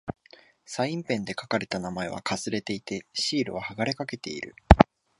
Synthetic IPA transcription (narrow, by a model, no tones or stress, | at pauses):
saĩmpẽ̞nd̪e̞kakaɾe̞t̪anamae̞βa̰kʰasɨɾe̞t̪e̞it̪e̞ɕiːɾɯ̟βahaɡaɾe̞kake̞t̪e̞iɾɯ̟̰